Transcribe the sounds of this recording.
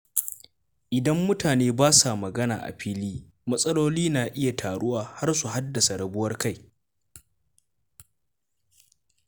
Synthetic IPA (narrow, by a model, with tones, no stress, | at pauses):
ʔɪ˨dɐ˦mːʊ˦taː˨neː˦baː˦sa˨mɐ˨ɡɐ˦na̰ː˨ʔa̰˨ɸiː˦liː˦ | mɐ˦sʼɐ˦loː˦liː˦naː˨ʔɪ˦ja˨tʰaː˨ɽʊ˦waː˨ha˦rsu˨ɦa˦dːɐ˨sa˨ɽɐ˨bʊ˦wɐ˦rka˦j